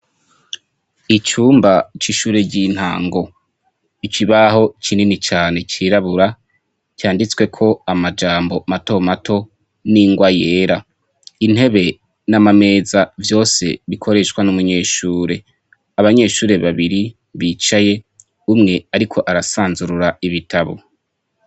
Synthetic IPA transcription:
it͡ʃuːmbat͡ʃiʃuːɾe̞ɟin̥ha̰ːŋɡo̞ | it͡ʃiβaho̞it͡ʃʰininit͡ʃaːne̞t͡ʃiɾaβuɾa | cjaːndit͡swe̞kʰo̞amad͡ʒaːmbo̞mato̞matʰo̞ | niŋɡwaje̞ːɾa | in̥he̞βe̞ | namame̞ːzavjo̞ːse̞̰βikʰo̞ɾe̞ʃkwanumuɲe̞ːʃuːɾe̞ | aβaɲe̞ːʃuːɾe̞βaβiɾi | βiːt͡ʃaje̞ | umŋe̞aɾikʰo̞ʔaɾasaːnzuɾuɾaiβitʰaβo̞̰

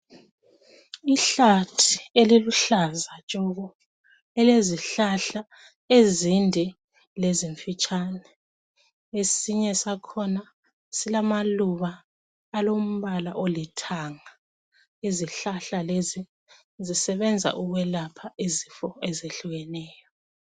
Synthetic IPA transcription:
iɬatʰieliluɬazat͡ʃʼɔɣɔ | ɛleziɬaɬa | ezindʱɛ | leziɱfit͡ʃʼanɛ | esiɲɛsakʰɔna | silamaluβaː | lom̩βala̰ʔolitʰaŋa | eziɬaɬalezi | zisɛβɛnd͡zʱa̰ʔuɣwɛlapʰaizifɔɛzeɬuɣɛnɛːjɔ

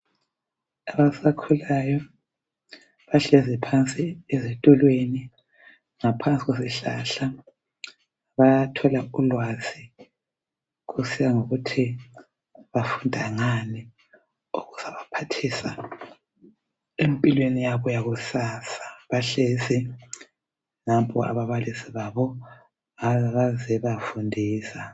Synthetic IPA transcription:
aβasakʰulajɔ | βaɬɛzipʰant͡sʼiezɛtʼɔlweni | ŋapʰant͡sʼiɣweziɬa̰ɬa | βajatʰɔlaulwazi | ɣusijaŋoɣutʰi | βafundʱaŋani | uɣuz̥aβapʰatʰisa | empʼilwenijaβɔjaɣusasḁβaɬesi | ŋapʰʼɔʔa̰βaβalisiβaβɔ | aβazɛβafundʱiːsa

